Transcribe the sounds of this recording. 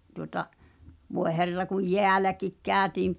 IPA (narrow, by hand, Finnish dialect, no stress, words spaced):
tuŏtɑ ʋoe herːɑ kuj jeælækik kæːø̆tiːm